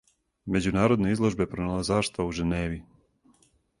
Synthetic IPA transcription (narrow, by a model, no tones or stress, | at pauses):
me̞d͡ʑunaːɾo̞d̪neizlˠo̞ʒbe̞pɾonelazaːʃt̪auʒeneːʋi